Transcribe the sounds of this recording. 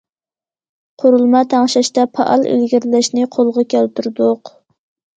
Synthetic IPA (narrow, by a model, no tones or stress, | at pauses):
qʰoɾulˠmɑt̪ʰɑŋʃɑʃt̪ɑpʰɑ̰ʔɑ̰lˠḛlɡʲiɾlæʃnɪqʰolˠʁɑkʲʰælt̪yɾd̪ʊq